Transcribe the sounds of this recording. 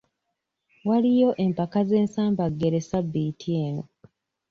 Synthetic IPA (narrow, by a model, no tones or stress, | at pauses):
walijo̞ʔe̞mpakaze̞ːnsaːmbaɡːe̞ɾe̞sabːitieːno̰